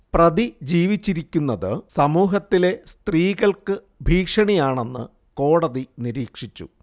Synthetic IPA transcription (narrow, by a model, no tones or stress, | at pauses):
prɐðid͡ʑiːʋit͡ɕːiɾikʲːunːɐðɨsɐmuːɦɐt̪ːile̞st̪riːɣɐɭkɨ | bʱiːkʂɐɳijaːɳe̞nːɨ̰ | ko̞ːɽɐðiniɾiːkʂit͡ɕːṵ